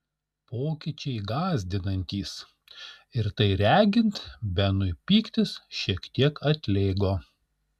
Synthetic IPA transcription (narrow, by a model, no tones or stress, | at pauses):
poːkʲɪt͡ʃʲɛɪɡɑːzʲd̪ʲɪnɐnʲt̪ʲiːs | ɪɾt̪ɐɪɾʲæːɡʲɪnt̪bʲɛnʊɪpʲiːkt̪ʲɪsʃʲiɛkt̪ʲiɛkʰɐt̪ʲlʲeːɡoː